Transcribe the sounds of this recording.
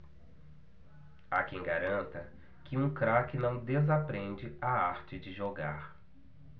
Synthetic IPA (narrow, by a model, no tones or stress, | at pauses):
akẽj̃ɡaɾɐ̃nt̪ɐ | kɪũkɾakɪnɐ̃w̃d̪ezapɾẽnd͡ʒɪaaɾt͡ʃɪd͡ʒɪʒoɡaɾ